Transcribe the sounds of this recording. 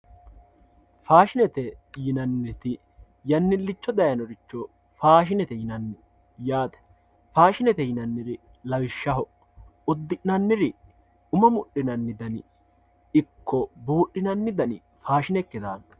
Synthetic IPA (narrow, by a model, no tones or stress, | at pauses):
faːʃɪnɛt̪ɛjɪnɐnːɪɾt̪ɪ | jɐnːɪlːɪt͡ʃːɔd̪ɐjɐnɔɾɪt͡ʃːɔ | faːʃ̬ɪnɛt̪ɛjɪnɐnːɪ | jaːt̪ɛ̥ | faːʃɪnɛt̪ɛjɪnɐnːɪɾɪ | lɐwɪʃːɐɦɔ | ʊd̪ːɪnɐnːɪɾɪ | ʊmɐmʊɗːɪnɐnːɪd̪ɐnɪ | ɪkːɔbuːɗːɪnɐnːɪd̪ɐnɪ̰ | faːʃɪnɛkːɪd̪aːn